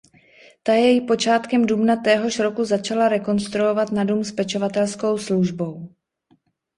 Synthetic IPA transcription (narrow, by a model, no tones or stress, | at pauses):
t̪ajɛjɪpo̞t͡ʃaːt̪kɛmdubnat̪ɛːɦo̞ʃɾo̞kuzat͡ʃalaɾɛko̞nst̪ɾuo̞vat̪nadumspɛt͡ʃo̞vat̪ɛlsko̞wsluʒbo̞w